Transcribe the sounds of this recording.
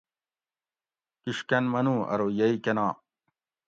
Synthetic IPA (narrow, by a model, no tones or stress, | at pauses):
kiʂkɐnmɐnũːɐ̰ɾoːjɐikɐnãː